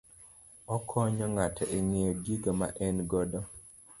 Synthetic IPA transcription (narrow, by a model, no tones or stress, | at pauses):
ɔkʰɔɲɔŋatɛʔeŋeɔɡiɡama̰ʔɛnɡɔdɔ